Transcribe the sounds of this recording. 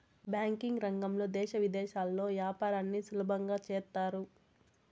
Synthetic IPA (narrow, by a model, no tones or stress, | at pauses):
bjaːŋkiŋɡɾɐŋɡɐmlo̞ːd̪ɛːʃɐʋid̪ɛːʃaːlːo̞ːʋjaːpaːɾaːnːisulɐbʱɐŋɡaːt͡ʃɛːɾt̪ːaːɾu